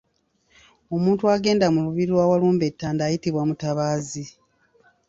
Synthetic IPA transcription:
o̞muːntuaɡe̞ːndamuluβiɾilwaːwaluːmbe̞tːaːndaːjitiβwamutaβaːzi

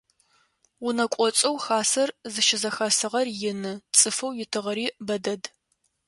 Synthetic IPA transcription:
ʊnɐkʷʼɔt͡sʼɐwxaːsɐrzɨʃɪzɐxaːsɨʁɐrjɪnɨt͡sʼɨfɐwjɪtʰɨʁɐɾiːbɐdɐd

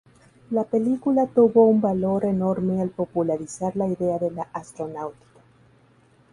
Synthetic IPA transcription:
lape̞likulat̪uβo̞umbalo̞ɾe̞no̞ɾme̞alpo̞pulaɾisaɾlaiðe̞aðe̞laʔast̪ɾo̞nawt̪i̥kḁ

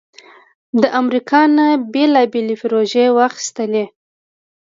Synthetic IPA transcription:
d̪əʔamɾikʰɑnabelɑbelepɪɾoʒewaxi̥st̪əle

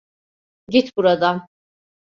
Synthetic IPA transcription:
ɟʲit̪ʰbuɾad̪am

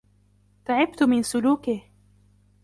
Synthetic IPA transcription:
t̪aʕɪb̚t̪ʊmɪnsʊluːkɪh

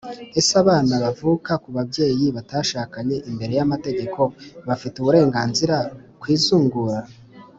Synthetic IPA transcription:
e̞saβaːnaβavuːkakuβabɟe̞ːjiβataʃaːkaɲe̞ʔimbe̞ɾe̞jamate̞ɡe̞kʰo̞βafituβuɾe̞ːŋɡaːnziɾakwiːzuːŋɡuɾa

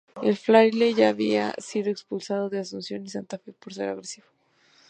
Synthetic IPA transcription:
elflaɾilejʝaːβia̰sið̞o̞ekspulsað̞o̞ðeasunsjo̞nisant̪afe̞po̞ɾse̞̰ɾa̰ɣɾesiβo̥

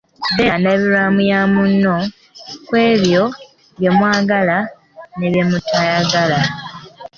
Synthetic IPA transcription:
deaneβiɾamujamunːo̞ | kwe̞ːβjo̞ | βjemwaːɡala | ne̞βjemutʰajaɡala

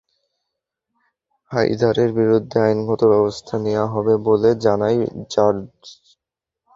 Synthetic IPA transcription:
ha̰jd̪ʱaɾeɾbiɾud̪ʱːeajnɡʱɔt̪obɛbost̪ʰanewaɦɔbeboled͡ʑanajd͡ʑaɾd͡ʑ

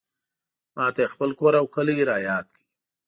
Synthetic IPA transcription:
mʔɑːt̪aexpəlkoɾawkʰəliɾaːjɑːt̪kʰi̥

